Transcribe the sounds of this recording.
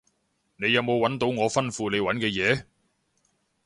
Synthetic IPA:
ne˨˧jɐ˨˧wmo˨˧wɐ˨˥nt̪o˨˥wŋɔː˨˧fɐ˥nfuː˨˧ne˨˧jwɐ˨˥nkɛː˧jɛː˨˧

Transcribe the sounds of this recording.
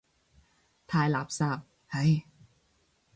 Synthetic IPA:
t̪ʰaː˧jlaː˨˦p̚saː˧˩p̚ | ha˧˥j

